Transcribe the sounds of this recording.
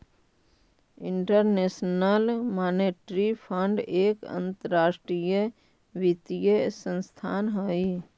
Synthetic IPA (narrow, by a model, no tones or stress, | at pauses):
iɳʈəɾnesnəlmaneʈɾipʰəɳɖeːkə̰nt̪əɾaːsʈɾijə | ʋit̪ijəsə̃nst̪ʰaːnɦoi